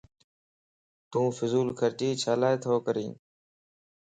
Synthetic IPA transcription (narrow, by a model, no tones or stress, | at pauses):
t̪ũːfɪzuːlkʰəɾt͡ʃiːt͡ʃʰaːlaːet̪ʰoːkəɾḭ̃ː